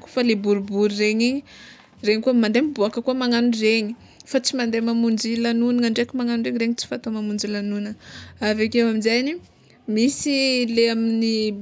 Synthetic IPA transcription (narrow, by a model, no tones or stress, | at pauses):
ku̥falebuɾubuɾireɲi | reɲikuəmand̪emibuakəkuəmaŋanureɲi | fat͡simand̪emamund͡ʒilanunəaɳɖ͡ʐekimaŋanureŋireɲit͡si̥fat̪omamund͡ʒilanunəavakewamizajni | misileamini